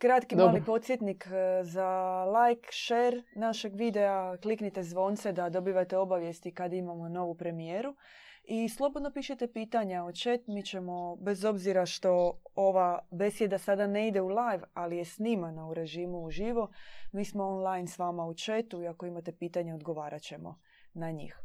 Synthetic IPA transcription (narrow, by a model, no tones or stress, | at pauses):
kɾat̪kimːlipo̞t̪sjet̪nikzalajkʃeɾnaʃe̞ɡʋid̪e̞akliknit̪e̞zʋo̞nt̪sed̪ad̪o̞biːʋat̪e̞o̞baʋje̞st̪ikad̪aimamo̞no̞ʋupɾe̞mijeːɾu | islˠo̞bo̞d̪no̞piːʃet̪epiːt̪aɲaot͡ʃe̞t̪mit͡ʃe̞mo̞be̞zo̞bziɾaʃt̪o̞oʋabe̞sjed̪asad̪ane̞id̪e̞ulajʋalije̞sniːmanouɾe̞ʒiːmuuʒiʋo̞miːsmo̞onlˠajnsʋaːmaut͡ʃe̞t̪uiako̞imat̪e̞piːt̪aɲeo̞d̪ɡo̞ʋaːɾʔat͡ɕe̞mo̞̰ | naɲḭːx